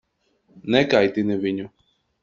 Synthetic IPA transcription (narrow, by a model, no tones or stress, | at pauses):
nɛkajt̪inɛviɲu